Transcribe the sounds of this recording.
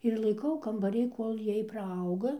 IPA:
ɪr lˠɐɪˈkɐʊ kɐmbɐˈrʲiː ˈkoːlʲ ˈjiɛj prɐˈɐʊɡɐ

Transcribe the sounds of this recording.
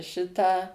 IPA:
ˈʃʲɪtɑː

